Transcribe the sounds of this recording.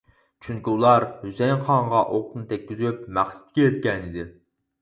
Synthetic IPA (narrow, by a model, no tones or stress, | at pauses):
t͡ʃʰyŋkʲiulˠɑɾhysɛjχɑɴʁɑʔoqt̪nɨt̪ʰɛk̚ʲːyzyp̚mæχsɪ̥t̪̚kʲijɛt̪̚kʲɛnid̪ɪ